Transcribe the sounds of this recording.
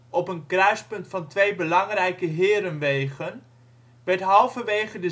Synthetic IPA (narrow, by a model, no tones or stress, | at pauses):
ɔpənkrœɥspɵntfɑntʋejbəlɑŋrɛjkəɦɪːɾənʋejχən | ʋɛtɦɑlˠvənʋejχədə